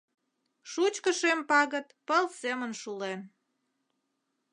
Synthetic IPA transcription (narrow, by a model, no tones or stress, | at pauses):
ʃut͡ɕkəʃempɑɣət̪pəlsemənʃulen